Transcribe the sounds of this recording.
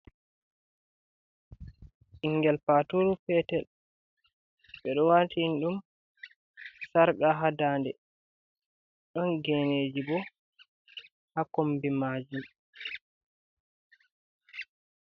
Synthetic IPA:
ʔiŋɡɛlpatuɾupɛtɛl | ɓɛɗɔwaːtʰinɗum | saɾɓaɦadaːndɛ̰ | ɗɔnɡɛneːd͡ʒibɔ | hakombimad͡ʒum

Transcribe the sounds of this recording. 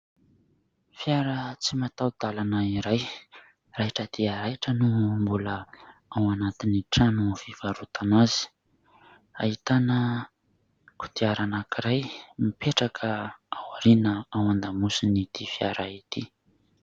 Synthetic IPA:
fjaɾət͡simat̪awd̪̥alanəiɾaj | raʈ͡ʂəd̪iaɾajʈ͡ʂənumbuləawanat̪iniʈ͡ʂanufiv̥aɾut̪ʰanazi̥ | a̰ɦit̪anə | ku̥d̪̥iaɾanakiɾajmipeʈ͡ʂakʰəawaɾinəawand̪amusinit̪ifjaɾait̪i

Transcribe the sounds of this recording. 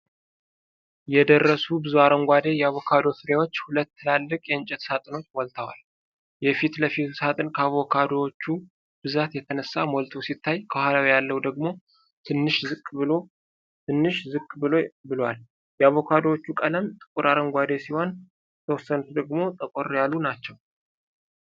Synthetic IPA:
jɛd̪ərːəsubɨzuaɾəŋɡʷad̪e̞jɛaβokʰad̪o̞sɨɾewot͡ʃːhulət̪ːɨlalːɨkʼjɛɨɲt͡ʃʼɛt̪sat̪ʼɨno̞t͡ʃːwɔlt̪ʰəwa̰l | jɛfit̪ləfit̪usat̪ʼɨnkʰəaβokʰad̪owot͡ʃːu | b̥ɨzat̪jɛt̪ʰənəsːamolt̪ʰo̞sit̪ʰːajkʰəhalawjalːəhwd̪əɡmo̞ | t̪ʰɨnːɨʃzɨkʼːbɨlo | t̪ʰɨnːɨʃzɨkʼːbɨlobɨlwal | jɛaβo̞kʰad̪owot͡ʃːukʼələmt̪ʼɨ̥kʼuɾaɾəŋɡʷad̪e̞siho̞n | ɛt̪ʰəwɔsːənut̪d̪əɡmo̞t̪ʼəkʷʼoɾjalːunat͡ʃːɛw

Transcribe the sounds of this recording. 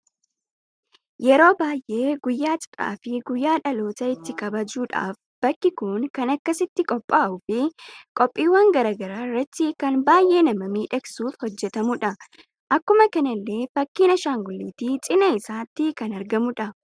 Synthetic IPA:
jɛɾo̞ːbaːjʔe̞ːɡʊjːaːt͡ʃʼɐ̥ɾʼa̰ːfɪɡʊjːaːᶑɐlo̞ːt̪ɐɪt̪ːɪkɐbɐd͡ʒuːᶑa̰ːf | b̥ɐkːɪkʊŋkɐnɐkːɐsɪt̪ːɪkʼɔpʼːaːʔʊfɪkʼɔpʼːiːwːɐŋɡɐɾɐːɡɐɾaːɪrːɐt̪ːɪkɐnbaːjʔe̞ːnɐmɐmiːᶑɐksuːfhɔd͡ʒːɛt̪ɐmʊᶑɐ | ʔɐkːʊmɐkɐnɐlːe̞ːfɐkːiːnɐʃaːŋɡʊlːiːt̪it͡ʃʼɪnɐɪsaːt̪ːɪkɐnɐɾɡɐmʊᶑɐ

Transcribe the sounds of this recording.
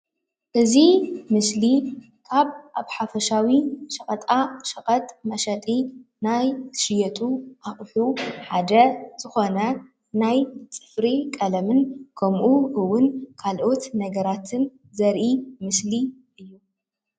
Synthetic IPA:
ʔɨzimɨsli | kʰaβʔaβħafɐʃawiʃɐχʼɐt̪ʼaʃɐχʼɐt̪ʼmɐʃɐt̪ʼi | najʃɪjɛt̪ʼuʔaχʼħuħad̪ɐz̥ɨxo̞nɐ | najt͡sʼɨ̥fɾikʼɐlɐmɨnkʰɐmʔuʔɨwːʊnkʰalʔo̞t̪nɐɡɐɾat̪ʰɨn | zɐɾʔimɨsliʔɨjːu

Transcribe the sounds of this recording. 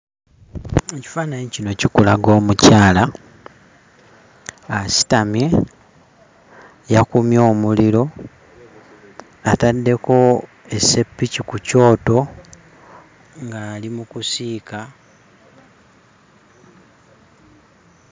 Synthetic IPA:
eci̥faːnaɲecino̞cikulaɡo̞ːmucaːla | asi̥tamje̞ | jakumjo̞ːmuliɾo̞ | atadːe̞ko̞ | e̞se̞pːicikuco̞ːto̞ | ŋɡaːlimukusiːka

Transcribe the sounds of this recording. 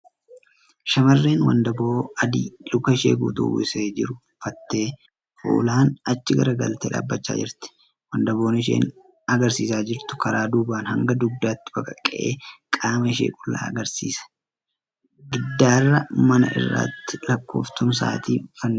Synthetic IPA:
ʃɐmɐrːeːnwɐ̰nd̪ɐboːɐd̪iːlʊkɐɪʃḛːɡṵːt̪ṵːʔɪseːd͡ʒɪɾʊ | fɐt̪ːe̞ː | fʊ̰ːlaːnɐt͡ʃːɪɡɐ̰ɾɐɡɐ̰lt̪eːᶑa̰ːbːɐt͡ʃːa̰ːd͡ʒɪ̰ɾt̪ɪ̥ | wɐnd̪ɐbo̞ːnɪʃ̬ḛːn | ɐɡɐɾsiːsaːd͡ʒɪɾt̪ʊ̥kɐɾaːd̪uːbaːnhɐŋɡɐd̪ʊɡ̚d̪aːt̪ːɪ̥bɐkʼɐkʼːɛʔeːkʼaːmɐɪʃḛːkʼʊlːa̰ːɐɡɐɾsḭːsɐ̥ | ɡɪd̪ːaːrːɐmɐnɐ̰ʔɪ̰rːa̰ːt̪ːɪlɐkːoːft̪ʊms̬a̰ːt̪iːfɐnː

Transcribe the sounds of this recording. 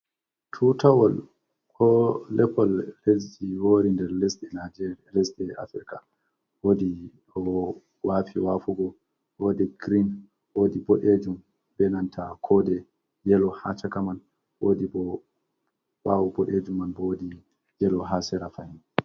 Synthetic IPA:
tʰutʰawɔl | kʰɔlɛpɔlled͡ʒd͡ʒiwoːɾindɛɾlɛsɛad͡ʒ | lɛsdɛa̰fɾika | wodi | ɔ | wafiwafuɡɔ | wodɛɡɾin | wodiboɗed͡ʒum | bɛnantʰakʰɔdɛ | jɛlɔhat͡ʃakaman | wodibɔ | wawubɔɗed͡ʒumːanbɔwodi | jɛlɔɦasɛɾafahin

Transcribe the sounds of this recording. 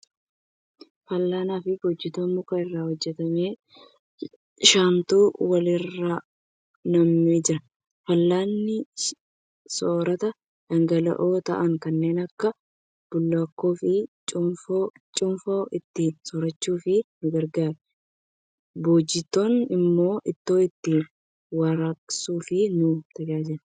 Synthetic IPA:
fɐlːaːnaːfɪboːd͡ʒːɪt̪oːnmʊkɐɪrːaːhɔd͡ʒːɛt̪ɐme̞ː | ʃaːnt̪uːwɐlɪrːaː | nɐmːɪd͡ʒɪɾɐ | fɐlːaːnːɪ | soːɾɐt̪ɐ | d̥ɐŋɡɐlɐ̰ʔo̞ːt̪ɐ̰ʔɐŋkɐnːe̞ːnɐkːɐ | b̥ʊlːɐkːoːfɪt͡ʃʼʊo | t͡ʃʼʊmfoːʔɪt̪ːɪnsɔɾɐt͡ʃːuːfɪnʊɡɐɾɡaːɾɛ | boːd͡ʒːɪt̪ːonɪmːo̞ːʔɪt̪ːo̞ːɪt̪ːɪ | wɐɾɐksuːfɪnʊt̪ɐɡaːd͡ʒɛɾ

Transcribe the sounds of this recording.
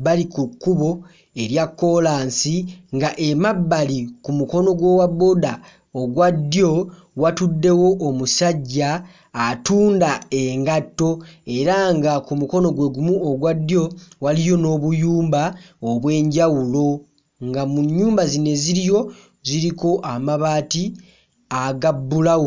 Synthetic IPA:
balikukːuβo̞ | e̞ɾjakːo̞laːnsiŋɡaʔe̞mabːalikumuko̞no̞ɡwo̞waβoda | oɡwad̪jo̞ | watudːe̞wo̞ʔːmusaɟːaː | tuːndae̞ŋɡatːo̞e̞ɾaŋɡakumuko̞no̞ɡwe̞ɡumuoɡwadːjo̞walijo̞no̞ːβujuːmbaoβwe̞ːɲɟawulo̞ | ŋɡamuɲːuːmbazine̞ziɾijo̞ | ziɾiko̞ʔamaβaːti | aɡabːulawo

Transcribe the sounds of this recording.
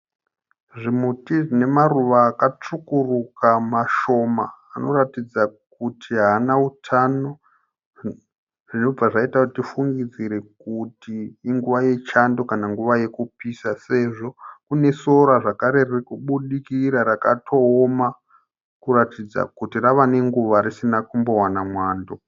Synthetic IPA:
ʐimutiʐine̞maruʋaːkat͡ʂukurukamaʃo̞maːnoɾatid͡zak̚utʰiɦaːnautʰano̞ | ʐino̞b͡vaʐaitakuttifuŋɡid͡ziɾe̞kutiːŋɡuʋaje̞t͡ʃando̞kanaŋɡuʋajekupisase̞ʐo̞kune̞so̞ɾaʐakaɾe̞riikuɓuɗikiɾaɾakatʰo̞ːma | kuɾatid͡za̰kutiraʋane̞ŋɡuʋaɾisinakumbo̞wanamwaːndo

